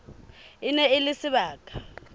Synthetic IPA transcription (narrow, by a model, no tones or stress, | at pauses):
ɪnɛɪlɪsɪβaːkʼḁ